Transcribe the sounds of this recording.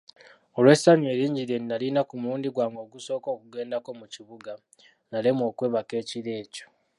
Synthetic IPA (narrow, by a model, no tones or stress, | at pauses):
o̞lwe̞saɲe̞ːɾiːɲɟiɾeninalinakumuluːndiɡwaːŋɡo̞ɡuso̞ːko̞ːkuɡe̞ːndako̞muciβuɡa | nalemo̞ːkwe̞ːβake̞ːciɾe̞ːco̥